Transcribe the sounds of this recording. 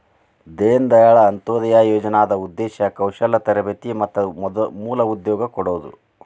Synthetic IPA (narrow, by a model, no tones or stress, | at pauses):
d̪eːnd̪ɐjɐɭɐːnt̪oːd̪ɐjaːjoːd͡ʒɐnaːd̪ɐud̪ːɛːʃɐkɐwʃɐlɐt̪ɐɾɐbet̪imɐt̪ːɐmuːlɐud̪jɔːɡɐkɔɽoːd̪ṵ